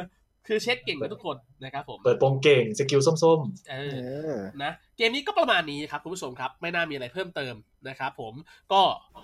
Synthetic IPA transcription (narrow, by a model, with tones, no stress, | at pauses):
kʰɯː˧t͡ɕʰe˦˥t̪̚ke˨˩ŋkːt̪ʰu˦˥kʰːo˧nːa˦˥kʰɾa˦˥pʰːo˩˦mpɤː˨˩t̪̚po˧ŋke˨˩ŋse˧ki˧ws̬o˥˩˨mso˥˩mʔɤː˧na˦˥keː˧mniː˦kɔː˥˩pa˧maː˧nːi˦˥a˩kʰa˦˥p̚ʰu˧˦pʰu˥˩t͡ɕo˧mkʰa˦˥p̚ma˥˩jnaː˥˩miː˧a˧ɾa˧jpʰɤː˥˩mt̪ɤː˧m | na˦˥kʰɾa˦˥pʰːo˩˦mkɔː˥˩